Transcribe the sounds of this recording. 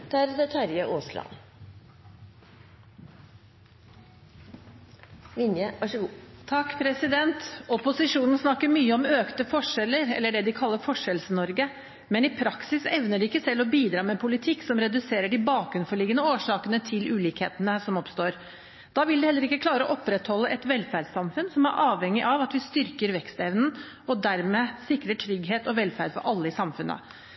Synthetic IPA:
d̪̥æɾd̪ɛt̪ʰɑɾjəʔoːslɑ̰n | ʋɪnjəɑʂt̪ʰɑkːpʰɾɛsɪd̪ɛnt̪ɔpʊsɪʂuːnn̩snɑkːəɾmyːəɔmøːkt̪əfɔʂɛlːəɾɛ̰lːəɖɛd̪ɪkʰɑlːəɾfɔʂɛlsənɔɾɡə | mɛnɪpʰɾɑksɪsɛʋnəɖʉɪkːəsɛlːɔbiːd̪ɾɑːmɛpʰʊlɪt̪ʰɪksɔmɾɛd̪ʉseːɾəɖɪbɑːkɾʉnfɔɭiːɡənəoːʂɑːkənət̪ʰɪlʔʉːliːkheːt̪ənəsɔmɔpst̪oːɾ | d̪̥ɑːʋɪld̪ɪhɛlːəɾɪkːəklɑːɾəɔʔɔpɾɛt̪hɔlːəʔɛt̪ʋɛlːfæɖsɑmfʉnsɔmæɾʔɑːʋhɛŋːɪʔɑʋɑt̪ʋɪst̪ʏɾkəɾʋɛkst̪ɛʋnn̩ | ɔd̪æɾmeːsɪkɾəʈʰɾʏɡɦeːt̪ɔʋɛlfæɖ̪fɔ̰ɾʔɑlːəɪsɑmfʉnːə̰

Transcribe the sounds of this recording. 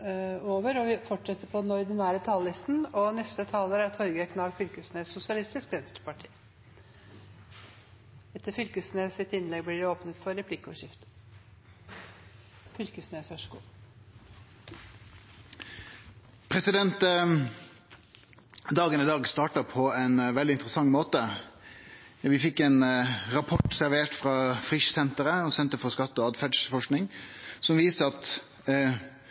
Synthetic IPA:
oːʋəɾɔʋɪfɔʈʂɛt̪ːəpʰɔd̪ɛnɔɾd̪ɪnæːɾət̪ʰɑːllɪst̪n̩ɔnɛst̪ət̪ʰɑːləɾæɾt̪hœɾɡəəkʰnɑːlfʏlkəsneːsʊsɪɑlɪst̪ɪskʋɛnst̪ɾəpʰɑʈʰi̥̰ː | ɛt̪ːəfʏlkəsnesɪt̪ɪnlɛɡblɪɖɪoːpnət̪fɔɾːɛpʰlɪkːʊʂɪft̪ | fʏlkəsneːsʋɑʂɡṵː | pʰɾɛsɪd̪ɛnt̪ | d̪ɑːɡənɪd̪ɑːɡst̪ɑːʈɑpʰɔɛnʋɛld̪ɪnt̪ɾəsɑŋːmoːt̪ə | ʋɪfɪkːɛnɾɑpʰɔʈsæɾʋeːʈfɾɑːfʁɪʃsɛnt̪əɾəɔsɛnt̪əɾfɔskɑt̪ːɔɑːd̪fæɖʂfɔʂknɪŋsɔmʋiːsəɑt̪

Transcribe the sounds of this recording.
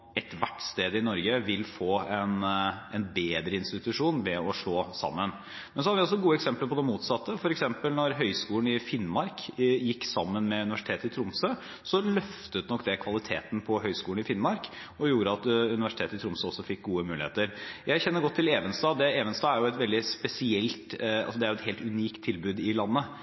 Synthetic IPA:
ɛt̪ʋæʈːst̪eːd̪əɪnɔɾɡəʋɪlfoːɛnɛnbeːd̪ɾəɪnst̪ɪt̪ʉʂuːnʋɛɔʂɭoːsɑ̰mːən | mɛnsɔhɑd̪ʋɪɔs̬ːɔɡuːəɛksɛmpləɾpɔd̪ɛmːuːt̪sɑt̪ːəfɔɾɛksɛmpəlnɔɾɦœʏskuːlənɪfɪnːmɑɾkjɪkːsɑmːənmɛʉnɪʋæʂɪ̥t̪ʰeːt̪ɪt̪ʰɾʊmsə | sɔlœft̪əʉt̪nɔkːd̪ɛkʰʋɑlɪt̪ʰeːt̪n̩pʰɔɦœʏskuːlnɪfɪnmɑɾk | ɔjuːɾəɑt̪ʉnɪʋæʂɪt̪ʰeːt̪ɪt̪ʰɾʊmsəɔsːɔfɪk̚ːɡuːəmʉːɪhḛːt̪əɾjæɪçɛnːəɾɡɔt̪ʰːɪleːʋənsd̪ɑːd̪ɛeːʋənst̪ɑːæɾjʊɛt̪ʋɛld̪ɪspɛsɪɛlt̪ɑ̰lsɔd̪ɛæɾjʊɛt̪heːlt̪ʉniːkt̪ʰːɪlbʉːd̪ɪlɑnːə

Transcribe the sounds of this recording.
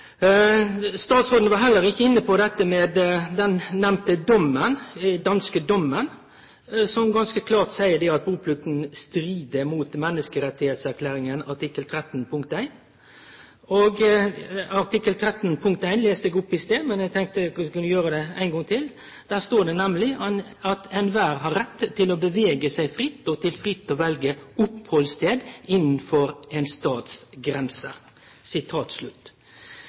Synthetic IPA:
st̪ɑːt̪sʁoːd̪nəʋɑɦɛlːəɾɪçːəɪnːəpʰɔd̪ɛt̪ːəmeːd̪d̪ɛnːɛmt̪əd̪ɔmːənd̪ɑnskəd̪ɔmːən | sɔmɡɑnskəkʰlɑːʁt̪sæɪəd̪ɛɑt̪̚buːpʰlʉt̪n̩st̪ɾiːd̪əmuːt̪mɛnːəskəɾɛt̪ːɪheːt̪sæʁkʰlæːɾɪŋənɑʈʰɪkːəlt̪ʰɾɛt̪n̩pʰʊŋk̚t̪æɪn | oɡ | ɑɾʈ̪ɪkːəlt̪ʰɾɛt̪npʰʊŋk̚t̪æɪnleːst̪ɛɡʊpːɪst̪eːmɛnjæɪɡt̪ʰɛŋk̚t̪əkʰɑnjøːɾəd̪ɛæɪnɡɔŋt̪ʰɪl | d̪̥æːʁst̪oːɖɛnæmlɪ | ɑt̪ɛnʋæːɾɦɑɾɛt̪ʰːɪloːbəʋeːɡəsæɪfɾɪt̪ːɔt̪ʰɪlfɾɪt̪ːoːʋɛlɡəʊphɔlst̪ʰeːd̪ɪnn̩fɔɾɛnst̪ɑːt̪sɡɾɛnsə | sɪt̪ʰɑːt̪slʉt̪ː

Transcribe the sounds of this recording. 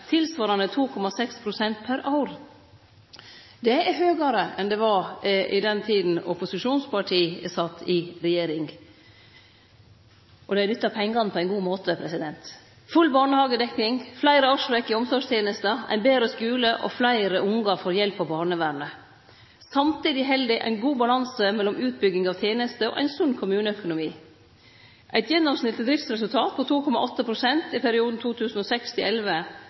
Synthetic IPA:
t̪ʰɪlsʋɑːɾɑnət̪ʰuːkʰɔmɑsɛkspʰɾʊsɛnt̪̚pʰæɾʔɑʊɾ | d̪ɛæɾhøːɡɑɾəʔɛnd̪ɛʋɑʔɪ̰d̪ɛnt̪ʰiːd̪n̩ɔpʊsɪʂuːnspʰɑʈʰiːsɑt̪ːɪɾɛjeːɾɪŋ | ʔɔd̪ɛænʏt̪ːɑpʰɛŋːɑnpʰɔæɪnɡuːmoːt̪ʰəpʰɾɛsɪd̪ɛnt̪ | fʉlbɑːɳəhɑːɡəd̪ɛkːɪŋflæɪɾəɑʂʋɛkːɪɔmsɔɡʂt̪ʰjeːnəst̪əæ̰ɪnbeːɾəskʉːləʔɔ̰flæɪɾəʔʊŋɡɑfɔɾjɛlpɑʋbɑːɳəʋæɾɳə | sɑmt̪iːd̪ɪɦɛld̪ɪʔæ̰ɪnɡuːbɑlɑnsəmɛlːɔmʉːt̪̚bʏɡɪŋɑʋt̪ʰjeːnəst̪əɔ̰ʔæ̰ɪnsʉnːkʰʊmʉːnəœkʊnʊmiː | ʔæɪt̪jɛnːɔmsnɪlt̪əd̪ɾɪft̪sɾɛsʉlt̪ʰɑːt̪̚pʰɔt̪ʰuːkʰɔmɑ̰ʔɔt̪ːəpʰɾʊsɛnt̪ɪpʰæɾɪuːd̪n̩t̪ʰuːt̪ʰʉːsn̩ɔsɛkst̪ʰɪlʔɛlʋə

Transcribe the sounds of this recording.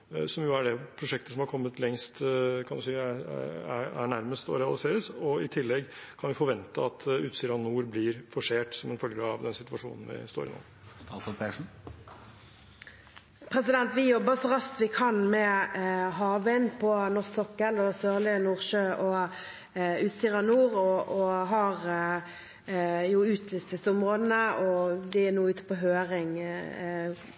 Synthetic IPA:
sɔmjʊæɖɛpʰɾʊʂɛk̚t̪əsɔmhɑɾkʰɔmːət̪lɛŋst̪kʰɑnd̪ʉsiː | ææ̰ɳæɾməst̪ɔ̰ɾɛɑlɪseːɾəsɔɪt̪ʰɪlːɛɡkʰɑnʋɪfɔɾʋɛnt̪əɑt̪ʰʉːt̪siːd̪ɑnuːɾblɪɾfɔʂeːʈsɔmɛnfœlɡəəɑʋd̪ɛnsɪt̪ʋɑʂṵːnn̩ʋɪ̰st̪o̰ːɾɪ̰no̰ː | st̪ɑːsɔlpʰɛʂn̩ | pʰɾɛsɪd̪ɛnt̪ʋɪjɔbːəsɔʁɑst̪ʋɪkʰɑnmɛɦɑːʋənpʰɔnɔʁsɔkːəlɔsøːʁlɪənuːʁʃøːʔɔ | ʉːt̪siʁɑnuːʁɔʔɔɦɑʁ | jʊʉːt̪ʰlɪst̪ɪsəʊmʁoːd̪nəɔd̪ɛɛnuːʉːt̪ə̥pɔɦøːʁɪŋ

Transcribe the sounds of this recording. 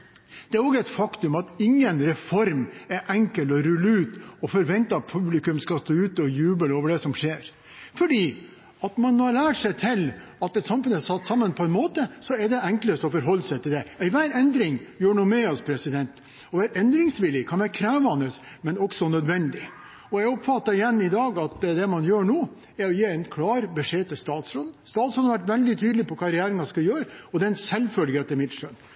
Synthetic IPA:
d̪̥ɛæɾɔɡəæɛɪt̪fɑkt̪ʉmɑt̪ɪŋːənɾɛfɔɾmæʔɛŋkəlɔɾʉlːʉːt̪ɔfɔɾʋɛnt̪əɑt̪̚pʰʉblɪkʉmskɑst̪oːʉːt̪ɔjʉːbəloːʋəɖɛsɔmʂeːɾ | fɔɖiː | ɑt̪mɑnːoːɑɾlæːʈʂɛɪt̪ʰɪlɑt̪ɛt̪sɑmfʉnd̪əæsɑt̪ːsɑmːənpʰɔɛnmoːt̪əsɔæɖɛɛŋkləɾt̪ɔfɔɾɦɔlːəsɛɪt̪ʰɪld̪ɛɪʋæːɾɛnd̪ɾɪŋjøːɳuːmɛɔspʰɾɛsɪd̪ɛnt̪ | ɔʋæːɾʔɛnd̪ɾɪŋsʋɪlːɪkʰɑnʋæɾkʰɾæːʋɑnəs | mɛnɔksɔnœd̪ʋɛnd̪ɪ | ɔjæɪɔpfɑt̪ːɑɾɪjɛnːɪd̪ɑːɡɑt̪d̪ɛmɑnjøːɳuː | ɛɾɔjeːɛɪnkʰlɑːɾbəʂeːt̪ʰɪlst̪ɑːt̪sɾoːd̪n̩st̪ɑːt̪sɾod̪hɑʋæʈʋɛld̪ɪt̪ʰyːd̪lɪpʰɔkʰɑːɾɛjæːɾɪŋɑskɑjøːɾəɔd̪ɛɛnsɛlfœlɡeːt̪əmɪt̪ːʂœn

